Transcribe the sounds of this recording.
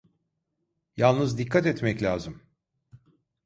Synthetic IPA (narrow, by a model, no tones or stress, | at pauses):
jalˠnɯzd̪ikʰːat̪ɛt̪mɛclʲaːzɯm